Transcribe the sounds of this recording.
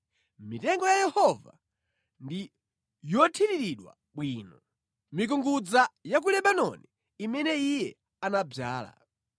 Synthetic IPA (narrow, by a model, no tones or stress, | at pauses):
mitɛŋɡɔjajɛhɔva̰ | ndi | jɔtʰiɾiɾiɗwa̰ | ɓwiːnɔ | mik̬uŋɡud͡zajak̬ulɛɓanɔniː | mɛnɛijɛ | anab͡ʐaːla̰